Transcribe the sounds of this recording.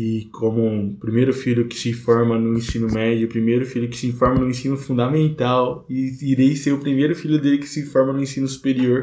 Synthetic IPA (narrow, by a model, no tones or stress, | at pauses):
ɪkʰõmʊũpɾimejɾʊfiʎʊkɪ̥sɪ̃fɔɾmɐnʊ̃ẽsĩnʊmɛd͡ʒʊpɾimejɾʊfiʎʊkɪ̥sɪĩfɔɾmɐnʊ̃ẽsĩnʊfũnd̪amẽnt̪awɪiɾejseɾʊpɾimejɾʊfiʎʊd̪elɪkɪ̥sɪ̃fɔɾmɐnʊ̃ẽsĩnʊsu̥peɾioɾ